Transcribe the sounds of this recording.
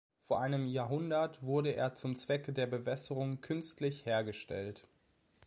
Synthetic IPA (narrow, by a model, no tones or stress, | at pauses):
foːɐʔaɪnəmjaːɦʊndɐtv̥ʊɐɾəʔḛːɐt͡sʊmt͡sv̥ɛkədeːɐbəvɛsəʁʊŋkʰʏnstlɪçheːɐɡəʃtɛ̰lt